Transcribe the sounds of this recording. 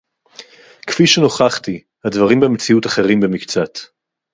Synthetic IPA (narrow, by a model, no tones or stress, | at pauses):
kfiʃeno̞χaχt̪i | hadvaʁimbemet͡siutaχe̞ʁimbemikt͡sat̪